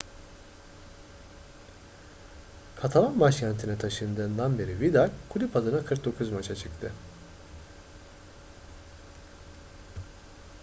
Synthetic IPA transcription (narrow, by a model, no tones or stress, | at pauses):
kʰat̪ʰalˠanmaʃcʰænt̪ʰinɛt̪ʰaʃɯnd̪ɯːnd̪anbeɾivid̪aɾkʰulʲipʰad̪ɯnakʰɯɾk̚d̪o̞kʰuzmat͡ʃʰat͡ʃʰɯkt̪ʰɯ